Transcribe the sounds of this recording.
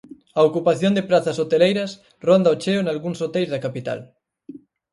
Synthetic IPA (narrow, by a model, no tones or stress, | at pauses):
ɐokupaθjond̪epɾaθɐsot̪elejɾɐs | rond̪ɐot͡ʃeʊnalɣuŋsot̪ejzðɐkapit̪a̰l